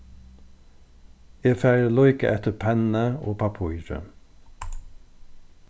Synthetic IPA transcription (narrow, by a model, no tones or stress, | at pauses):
eːfæːɹəlɔʏkə̰ʔɛt̪əpʰɛnnəoːpʰɑpʰʊʏɾə̰